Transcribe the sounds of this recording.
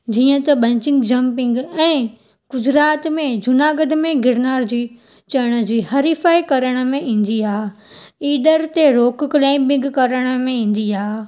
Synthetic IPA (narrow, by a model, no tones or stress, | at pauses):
d͡ʑiːə̃t̪ɐɓɐ̃ɲt͡ɕɪ̃ŋɡd͡ʑɐmpɪ̃ŋɡɛ̃ː | ɡ̥ʊd͡ʑɾaːt̪mẽd͡ʑʊnaːɡəɖʱmẽɡɪɽnaːɾd͡ʑiː | t͡ɕɐɽ̃əd͡ʑiːɦɐɾifaːikɐɾəɽ̃ə̆mẽʔĩːn̆d̪iaː | iːɖəɾt̪eɾoːkklẽːmbɪ̃ŋɡkɐɾəɽ̃ə̆mẽĩːn̆d̪iaː